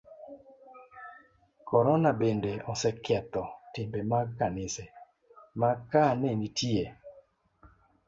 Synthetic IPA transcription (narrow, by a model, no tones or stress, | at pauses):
kɔɾɔnabendeɔsɛkɛt̪ɔtɪmbemakanɪsɛ | makanɛnitie